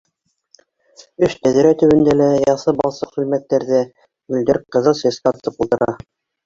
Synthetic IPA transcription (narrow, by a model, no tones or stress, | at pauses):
ɵʃt̪æðɘ̆ɾæt̪ɵ̆βɘ̆nd̪ælæjɑθɤbɑlˠsɤqsɵ̆lmæt̪ːæɾðɘ | ʉld̪ɘɾqɤ̆ðɤlˠsæ̆sqɑt̪ɤ̆t̪ɤpulˠt̪ɤ̆ɾɑ